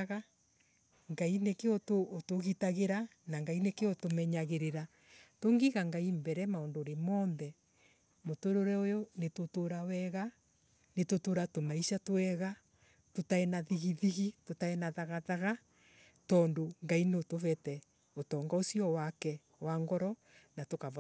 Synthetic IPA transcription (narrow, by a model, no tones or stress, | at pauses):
ɣa | ŋɡainekeotoːtoɣitaɣeɾa | naŋɡainekeotomɛɲaɣeɾeɾa | toŋɡiɣaŋɡaimbɛɾɛmaondoːɾemɔːnðɛ | motoɾoɾɛojɔnetotoɾawɛɣa | netotoɾatomaiʃatowɛɣa | totaɛnaðiɣiðiɣitotaɛnaðaɣaðaɣa | tɔːndoŋɡaineotovɛtɛ | otɔŋɡaosiɔwakɛ | waŋɡɔɾɔ | natokav